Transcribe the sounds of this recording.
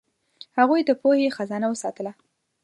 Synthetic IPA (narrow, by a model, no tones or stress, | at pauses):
haɣujd̪əpohexazɑnawəsɑt̪əla